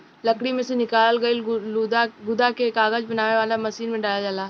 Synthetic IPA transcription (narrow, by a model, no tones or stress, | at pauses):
lɐkɽimẽsenɪkaːlɡɐi | ɡʊd̪akeːkaːɡəd͡ʒbɐnaːʋeʋaːlamɐsiːnmẽɖaːlad͡ʒaːlaː